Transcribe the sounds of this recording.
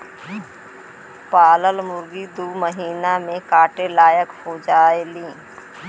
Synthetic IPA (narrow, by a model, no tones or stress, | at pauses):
paːləlmʊɾɡid̪uːməɦiːnamẽkaːʈelaːjəkhoːd͡ʒaːelĩː